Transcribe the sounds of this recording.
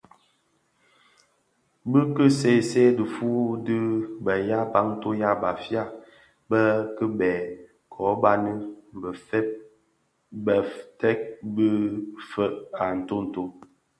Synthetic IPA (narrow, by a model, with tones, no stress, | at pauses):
bɨ˦kə˦se˦˨se˦də˨fu˦dɨ˦bə˨ja˦ba˦ŋ̩˦to˦ja˦˨ba˨fja˦˨ | bə˦kə˦bɛː˨ | kʰɔ˨˦ba˦nɨ˦m̩˨bə˨fɛ˦p̚ | bə˨tɛ˦k̚bə˦fə˦ʔa˨n̩˨to˦n̩˨to˦